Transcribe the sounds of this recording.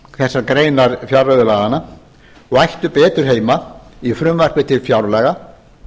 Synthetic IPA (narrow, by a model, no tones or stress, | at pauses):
θɛsːaɾkɾeːjnaɾfjawɾœðʏlaːðana | ɔɣajht̪ʏpɛːt̪ʏɾ̥ɦeːjmaifɾʏmvar̥pɪt̪ʰɪlfjawɾlɛːɣa